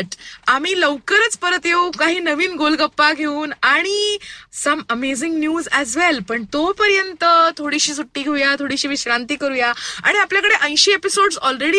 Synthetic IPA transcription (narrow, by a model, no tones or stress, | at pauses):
ʈam̤iːləʋkəɾət͡spəɾət̪jeukaɦiːnəʋiːnɡolɡəpːaɡʱeuːnaɽ̃isəməmezɪŋɡnjuːzɛzʋɛlpəɳt̪opəɾjənt̪ət̪ʰoɽiɕiːsuʈːiːɡʱeujat̪ʰoɽiɕiːʋiɕɾant̪iːkəɾujaa̰ɽ̃iapljakəɽeʔə̃j̃ɕeepisoɖsɔlɾeɽi